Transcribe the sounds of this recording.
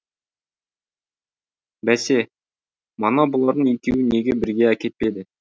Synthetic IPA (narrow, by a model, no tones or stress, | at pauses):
bæse̞ | mɑnɑbolˠɑɾd̪ənikʲewɪne̞ɡʲebɪɾɡʲe̞ækʲe̞t̪̚pe̞d̪ɪ